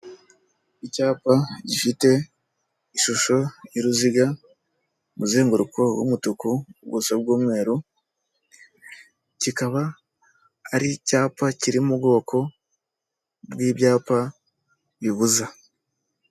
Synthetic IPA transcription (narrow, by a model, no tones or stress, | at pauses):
icaːpaɟifite̞ | iʃuʃo̞iɾuziɡa | muzeːŋɡuɾukʰowṵmutukubɡṵsobɡuːmŋe̞ːɾu | cikaβaː | ɾicaːpaciɾimubɡo̞ːko̞ | bwiːbjaːpa | βiβuza